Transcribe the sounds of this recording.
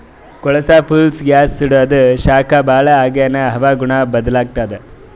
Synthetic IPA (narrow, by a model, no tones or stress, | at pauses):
kɔɭɐsaːpʰuːlsɡjaːsːiɽuɐd̪uʃaːkʰabʱaːɭɐaːɡeneɦɐʋaːɡuɳabɐd̪ɐlaːɡ̚t̪aːd̪e